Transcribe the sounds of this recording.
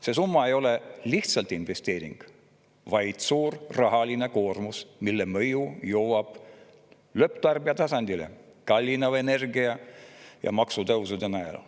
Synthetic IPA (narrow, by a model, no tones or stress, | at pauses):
se̞s̬umːɑe̞jo̞le̞liht̪sɑlt̪ˑinve̞st̪e̞ːɾḭŋɡ̥ | vɑjd̪̥suːrrɑɦɑline̞ko̞ːrmusmilːemɤjujowwɑb̥ | lø̞pt̪ɑrb̥iɑt̪ɑsɑnd̪ilḛ | kɑlʲːinɑvene̞rɡiɑjɑ̰mɑksut̪ɤwsud̪enæjḛl̰